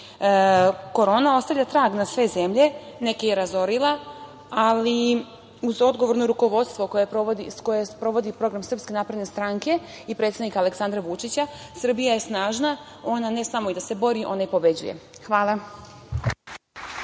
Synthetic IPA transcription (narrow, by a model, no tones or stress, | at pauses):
ko̞ɾo̞ːnao̞st̪avʎʲat̪ɾaːɡnasʋe̞ze̞mʎe̞ne̞kejeɾazo̞ɾilˠa | ali | uzo̞d̪ɡoʋo̞ɾno̞ɾuko̞ʋo̞d̪st̪ʋo̞kojepɾood̪isko̞jespɾo̞ʋo̞d̪ipɾo̞ɡɾamsr̩pske̞napɾed̪ne̞st̪ɾaŋke̞ | ipɾet̪sad̪nikaːle̞ksand̪ɾaʋut͡ʃit͡ɕasr̩bijaje̞snaːʒna | o̞nane̞samo̞id̪asebo̞ɾiʔo̞naipo̞be̞d͡ʑṵjḛxʋaːlˠa